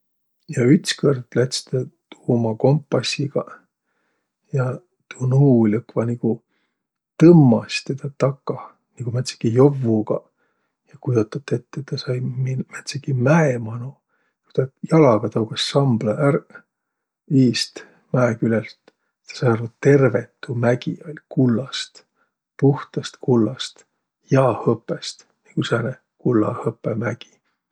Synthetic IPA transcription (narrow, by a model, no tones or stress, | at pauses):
jɑyt̪skørd̪læt̪st̪ɑt̪uːmɑko̞mpːˑɑsiɡ̥ɑ | jɑ | t̪unuːlʲɤkːvɑniɡ̥u | t̪ɤmːɑst̪et̪ɑt̪ɑkːɑ | niɡ̥umæt̪se̥kijovːuɡ̥ɑ | jɑkujd̪ɑt̪ːˑɑt̪ːet̪ːet̪ːɑsɑjminmæt̪sekːimæemɑnu | u̥t̪ɑjɑlɑɡ̥ɑt̪ɑuɡ̥ɑsːɑmblɑʔær | iːst̪ | mæekylelt̪ | t̪ːɑ̥sɑjɑrvut̪e̞rvet̪ːˑumæɡ̥ḭolʲkulːɑst̪ | puht̪ɑst̪kulːɑst̪ | jɑːhɤpːˑest̪ | niŋɡ̥usæne | kulːɑ̰hɤpːˑemæɡ̥i̥